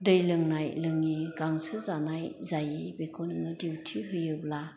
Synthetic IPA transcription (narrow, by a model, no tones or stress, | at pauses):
dɯjlɯŋnajlɯŋiɡaŋsɯzanajzajibekʰɔnɯŋɯdiwtʰiɦɯjɯbla